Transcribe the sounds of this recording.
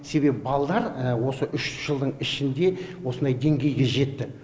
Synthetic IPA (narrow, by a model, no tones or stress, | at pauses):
se̞be̞pɪbɑlˠɑd̪ˠɑɾwo̞səʔʏʃʒ̥əlˠd̪əɴɪʃɪnd̪e̞wo̞sənd̪ɑjd̪e̞ŋɡʲe̞jɡʲe̞ʒe̞t̪ːɪ